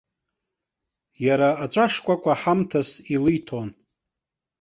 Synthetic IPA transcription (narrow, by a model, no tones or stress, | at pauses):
jaɾaːt͡ʃʷʼaʂkʷʼakʷʼaħamtʰasilɨjtʰon